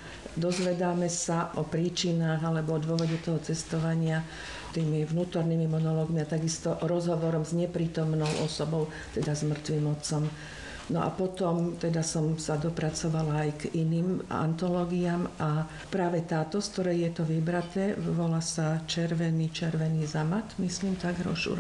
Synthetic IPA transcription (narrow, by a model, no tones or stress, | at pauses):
d̪ɔzʋɛd̪aːmɛsaʔɔpɾiːt͡ʃinaːɣalɛbɔɔd̪ʊɔʋɔɟɛt̪ɔɦɔt͡sɛst̪ɔʋaɲɪa | t̪iːmiʋnuːt̪ɔɾniːmimɔnɔlɔːɡmiat̪aɡist̪ɔʔɾɔzɦɔʋɔɾɔmzɲɛpɾiːt̪ɔmnɔʊʔɔ̰sɔbɔʊ | t̪ɛd̪azmr̩t̪ʋiːmɔt͡sɔm | nɔʔa̰pɔt̪ɔmt̪ɛd̪asɔmsad̪ɔpɾat͡sɔʋalaːjɡiniːma̰nt̪ɔlɔːɡiaːma | pɾaːʋɛt̪aːt̪ɔskt̪ɔɾɛjjɛt̪ɔʋibɾat̪ɛːʋɔlasat͡ʃɛɾʋɛniːt͡ʃɛɾʋɛniːzamat̪misliːmt̪aɡɾɔ̰ʃṵ